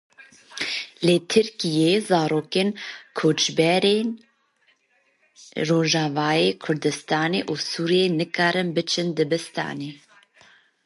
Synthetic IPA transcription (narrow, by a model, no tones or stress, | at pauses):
let̪ʰɨɾkijezɑːɾoːkeːnkʰoːt͡ʃbɛɾeːn | roːʒɑːvɑːjeːkʰʊɾd̪ɨst̪ɑːneːʔusuːɾijenɨkɑːɾɨnbɨt͡ʃʰɨnd̪ɨbɨst̪ɑ̰ːneː